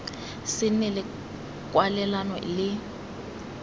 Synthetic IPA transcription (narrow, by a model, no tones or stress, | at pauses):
sɪn̩nɛlɪ | kʼwalɛlanɔlɪ